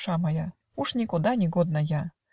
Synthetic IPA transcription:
ʂamɐja | uʂnʲikud̪anʲiɣɔd̪nɐja

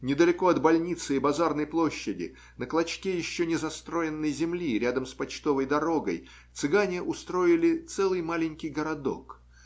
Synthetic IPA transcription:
nʲɪd̪əlʲɪko̞ɐd̪bɐlʲnʲit̪sɨɪbɐzarnəjplˠo̞ɕːɪdʲɪ̰ | nəklˠɐt͡ɕkʲejɪɕːonʲɪzɐst̪ɾo̞jɪnːəjzʲɪmlʲiɾʲad̪əmspɐt͡ɕt̪o̞vəjd̪ɐɾo̞ɡə̰j | t̪sɨɡanʲɪʔʊst̪ɾo̞ɪlʲɪt̪sɛlˠɨjmalʲɪnʲkʲɪjɡəɾɐd̪o̞̰k

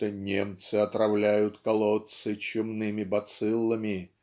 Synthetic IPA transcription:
t̪ənʲḛmt̪sɨɐt̪ɾɐvlʲæjʊt̪kɐlˠot̪sɨt͡ɕʊmnɨmʲɪbɐt̪sɨlˠːəmʲɪ

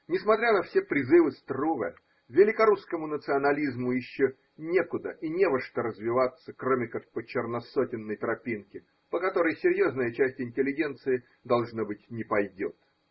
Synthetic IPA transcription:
nʲɪsmɐt̪ɾʲanɐfsʲe̞pɾʲɪzɨvɨst̪ruvə̰ | vʲɪlʲɪkɐɾuskəmʊnət̪sɨɐnɐlʲizmʊjɪɕːo | nʲe̞kʊd̪ə̰ʔinʲe̞vəʂt̪əɾəzvʲɪvat̪sːəkɾomʲɪkak̚pət͡ɕɪrnɐsotʲɪnːəjt̪ɾɐpʲinkʲɪ | pəkɐt̪o̞ɾəjsʲɪɾʲjo̞znəjət͡ɕæsʲtʲɪnʲtʲɪlʲɪɡʲe̞nt̪sɨɪ | d̪ɐlˠʐnabɨtʲnʲɪpɐjdʲot̪

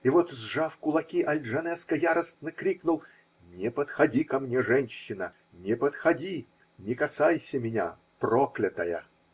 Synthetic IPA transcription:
ɪvot̪zʐafkʊlˠɐkʲiʔɐlʲʐɐnɛskəjaɾəst̪nəkɾʲiknʊlˠ | nʲɪpət̪xɐdʲikɐmnʲeʐɛnʲɕːɪnə | nʲɪpət̪xɐdʲi | nʲɪkɐsajsʲəmʲɪnʲa̰ | proklʲɪt̪əjə̰

